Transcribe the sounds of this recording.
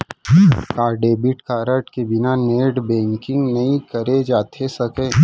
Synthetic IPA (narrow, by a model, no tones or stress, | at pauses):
kaːɾɖeːbɪʈkaːɾəʈkebɪnaneːɖbɛ̃ːŋkɪ̃ŋɡnɐɦĩkɐɾed͡ʒaːt̪ʰesɐkẽː